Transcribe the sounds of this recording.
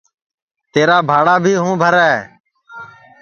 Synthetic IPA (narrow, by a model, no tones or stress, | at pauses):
t̪eːɾaːbʱaːɽaːbʱiːɦũːbʱəɾɛː